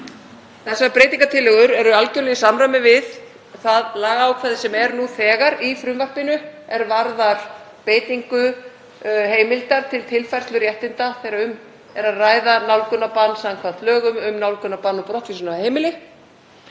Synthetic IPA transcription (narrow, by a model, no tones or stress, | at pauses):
θɛsaɾpɾeːjt̪iŋkat̪ʰɪlːɛɣʏɾɛɾʏalcœɾlɛjɪsamɾamɪvɪð | θaðlaːɣaaːwkʰvɛːðɪsɛmɛɾnuθɛːɣaɾifɾʏmvaɾpɪnʏɛɾvaɾðaɾ̥ | peːjt̪iŋkʏ | ɦeːjmɪlt̪aɾ̥t̪ʰɪlt̪ʰɪlfajrst̪lʏɾjɛht̪ɪnt̪aθejɾaʏm | ɛɾaðraːjðanawlkʏnːapanːsaŋkʰvat̪lœːɣʏmʏmnawlkʏnːapanːɔpɾɔht̪fisʏnaheːjmɪlɪ